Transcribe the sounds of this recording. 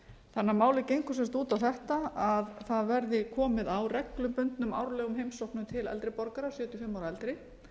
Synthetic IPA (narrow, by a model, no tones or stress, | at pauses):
θanːaɾmaːwlɪcejŋkʏ̥sɛmst̪uːt̪awθɛht̪aaðθaðvɛɾðɪkʰɔːmɪðawrɛklʏmpʏnt̪nʏma̰wɾlɛːɣʏmɦejmsɔwhknʏmt̪ʰɪlɛ̰lt̪ɾɪpɔɾkaɾasjœːt̪ʏfɪmːawɾaɛlt̪ɾɪ